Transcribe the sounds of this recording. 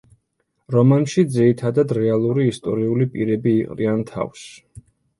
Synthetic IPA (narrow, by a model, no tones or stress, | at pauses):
ɾɔmanʃid̪ziɾit̪ʰad̪ad̪ɾɛalˠuɾiːst̪ʼɔ̰ɾiulipʼiɾɛbiːqʼɾiant̪ʰa̰fs